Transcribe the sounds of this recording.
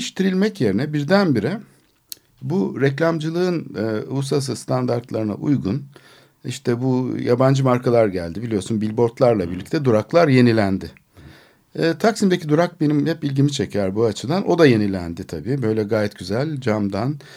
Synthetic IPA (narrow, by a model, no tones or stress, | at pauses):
iʃt̪ʰiɾilʲmɛcje̞ɾinɛbiɾd̪ænbiɾɛ | buɾɛclʲamd͡ʒɯlˠɯɯnːusas̬ɯst̪ʰand̪aɾt̪lˠaɾɯna̰ʔṵjɡun | iʃt̪ʰɛbujaband͡ʒɯmaɾkʰalˠaɾɟæ̰lʲd̪ibilʲijo̞ɾsunbilʲbo̞ɾt̪lˠaɾlˠabḭɾlʲicʲt̪ʰɛd̪uɾaklˠaɾje̞nilʲænd̪ɪ | t̪ʰaksimd̪ecʰid̪uɾak̚be̞nimhɛpilʲɟimit͡ʃʰecʰæɾbuat͡ʃʰɯd̪anʔo̞d̪aje̞nilʲæ̰nd̪ɪt̪ʰabiːbø̞jlʲɛɡaːjɛt̪ɟyzælʲd͡ʒamd̪an